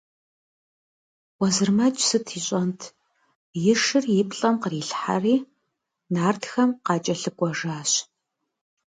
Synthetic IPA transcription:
wɐzɨrmɐt͡ʃʼsɨtʰiːɕʼɔntʰ | jɪʂɨrjɪpʰɬʼɐmqəriːɬħa̰riː | naːrtxɐmqɑːt͡ʃʼɐɬɨkʷʼɔʐaːɕ

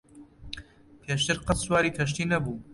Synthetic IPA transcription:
pʰeːʃt̪ɨɾqɐsswaːɾiːkʰɐʃ̬t̪iːnɐbuː

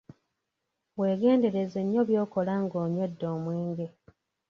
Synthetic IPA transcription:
weːɡe̞ːnde̞ɾe̞zeɲːo̞βjo̞ːko̞laŋɡoːɲodːo̞ːmweːŋɡe

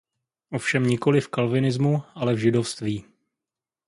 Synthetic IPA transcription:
ʔo̞fʃɛmɲɪko̞lɪfkalvɪnɪzmuʔalɛvʒɪdo̞fst̪viː

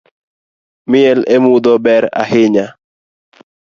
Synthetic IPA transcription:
mɪɛlemud̪ɔbɛɾa̰ɦɪɲa

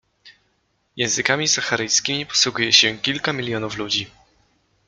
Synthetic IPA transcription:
jɛ̃w̃zɘkamʲizaxaɾɘjskʲimʲipɔ̥swuɡujɛɕɛkʲilkamʲilʲjɔnuflud͡ʑi

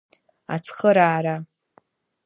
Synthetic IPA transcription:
a̰t͡sʰχəɾaːɾa

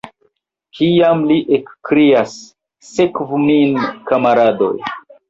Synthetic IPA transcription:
kʰiamliʔekːɾiasː | ekvuminkamaɾado̞̰j

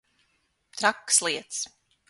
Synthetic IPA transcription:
t̪ɾakːslˠiɛt̪s

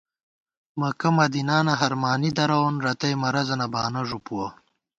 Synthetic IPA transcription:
mɐkɐmɐd̪inaːnɐɦɐɾmaːnid̪ɐɾɐwonɾɐt̪ɐjmɐɾɐzɐnɐbaːnɐʐupuwɐ

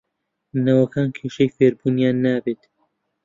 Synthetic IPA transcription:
nɐwɐkʰaːnkʰeːʃɐjfeːɾbuːnjaːnːaːbeːt̪

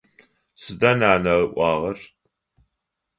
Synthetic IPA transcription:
sɨdɐnaːnɐʁəʔʷɑːʁɐr

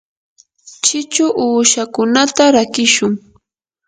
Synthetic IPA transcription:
t͡ʃɪt͡ʃʊʔuːʃakʊnat̪aɾakɪʃʊŋ

